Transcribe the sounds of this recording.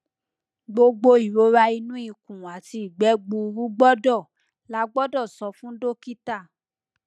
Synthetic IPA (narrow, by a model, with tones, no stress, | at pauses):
ɡ͡bo˧ɡ͡bo˧i˨ɾo˨˦ɾa˧i˧nũ˦i˦˨kũ˨a˨ti˧˨ɡ͡bɛ˨˦ɡ͡bu˧ɾu˦ɡ͡bɔ˦dɔ˦˨ | la˨˦ɡ͡bɔ˦dɔ˦˨sɔ˧fũ˦do˦ki˦ta˦˨